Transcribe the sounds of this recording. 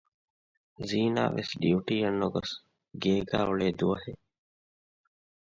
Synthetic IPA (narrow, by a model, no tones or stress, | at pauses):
ziːna̰ːʋḛsɖiuʈiːɐnːoɡɔ̰s | ɡeːɡa̰ːuɭeːd̪uɐhe